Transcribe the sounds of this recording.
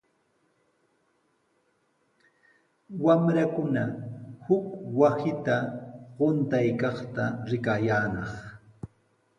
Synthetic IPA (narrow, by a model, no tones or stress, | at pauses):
wamɾakʊnahʊkwasɪt̪aɢʊnt̪ajkɑχt̪aɾɪkajaːnɑχ